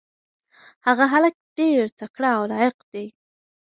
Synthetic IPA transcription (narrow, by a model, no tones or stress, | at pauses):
haɣaɦalək̚ɖeɾt͡sakɽaːwlɑjɪqd̪ej